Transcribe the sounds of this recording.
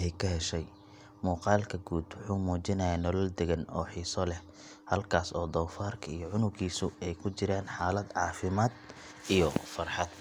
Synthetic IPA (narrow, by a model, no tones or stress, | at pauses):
ɛkʰɐɦɛʃɛj | muːqɑːlkʰɐɡuːd̪wʊħuːmuːt͡ʃɪnɐjaːnɔlɔld̪ɛɣɐnɔ̰ːħiːsɔlɛh | hɐlkʰaːsɔːd̪ɔwfaːrkʰɐijɔʕʊnʊɡiːsʊɛjkʰʊt͡ʃɪɾaːnħaːlɐd̪ʕɑːfɪmaːd̪ | ijɔfɐrħɑd̪̚